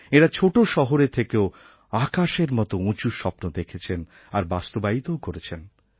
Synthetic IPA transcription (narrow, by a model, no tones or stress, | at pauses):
eɾat͡ɕʰoʈoʃɔɦoɾet̪ʰekeo | akaʃeɾmɔt̪oũt͡ɕuɾʃɔpnod̪ekʰet͡ɕʰen | aɾbast̪obait̪ookoɾet͡ɕʰen